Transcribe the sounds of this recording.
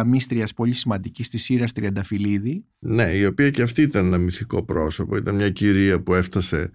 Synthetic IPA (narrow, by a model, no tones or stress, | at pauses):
ɐmist̪ɾiɐspo̞lisimɐnd̪icist̪isiɾɐst̪ɾiɐnd̪ɐfiliði | ne̞io̞piɐceɐft̪iːit̪ɐnenɐmiθiko̞pɾo̞so̞po̞it̪ɐnmɲɐciɾiɐpue̞ft̪ɐse̞